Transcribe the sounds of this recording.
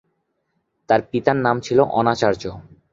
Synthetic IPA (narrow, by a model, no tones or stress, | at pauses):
t̪aɾpit̪anːamt͡ɕʰiloʔɔnat͡ɕaɾd͡ʑo